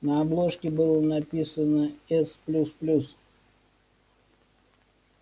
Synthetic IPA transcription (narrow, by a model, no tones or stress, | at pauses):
nɐɐblˠoʂkʲɪbɨlˠənɐpʲisənəɛsplʲusplʲus